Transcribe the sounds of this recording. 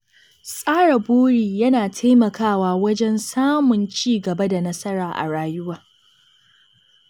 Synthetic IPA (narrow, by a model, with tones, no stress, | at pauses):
sʼaː˦ɽa˨boː˦ɽiː˨jɐ˦naː˨tʰa˦jmɐ˨kaː˦˨waː˦wɐ˦d͡ʒɛ˦nsaː˦mʊ˨nt͡ʃiː˦˨ɡɐ˨bɐ˦da˨nɐ˦sɐ˦ɽaː˨ʔa̰˨ɽaː˦jʊ˦waː˨